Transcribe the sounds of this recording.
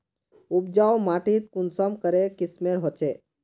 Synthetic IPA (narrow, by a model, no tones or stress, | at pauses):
ub̚d͡ʒawmaʈit̪̚kunsɔmkəɾekɪsmeɾɦɔt͡ʃe